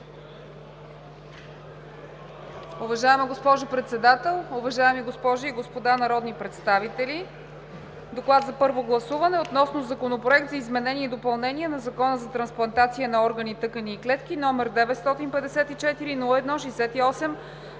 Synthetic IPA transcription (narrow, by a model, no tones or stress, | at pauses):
ʊvɐʒaɛməɡospɔʒʊpɾɛt̪sɛd̪at̪ɛlˠʊvɐʒaɛmiɡospɔʒoiɡospod̪anɐɾɔd̪nipɾɛt̪st̪avit̪ɛli | d̪oklˠad̪zɐpɤɾvoɡlˠɐsuvɐnɛot̪nɔsnozɐkonopɾoɛk̚t̪zɐizmɛnɛniɛid̪opɐlˠnɛnʲiɛnɐzɐkɔnəzɐt̪ɾɐnsplˠɐnt̪at̪siənɐɔɾɡənit̪ɤkəniːklɛt̪k̟inɔmɛɾd̪ɛvɛt̪st̪ɔt̪inpɛd̪ɛsɛt̪it͡ʃɛt̪iɾinulˠəɛd̪nɔʃɛjsɛt̪iɔsɛm